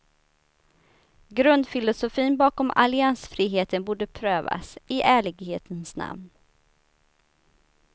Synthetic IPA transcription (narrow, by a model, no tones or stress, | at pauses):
ɡɾɵnd̪fɪlʊsʊfiːnbɑːkɔmʔa̰lɪansfɾiːɦeːt̪ʰənbuːɖəpʰɾøːva̰sɪʔæːɭɪɡheːt̪ʰənsna̰mn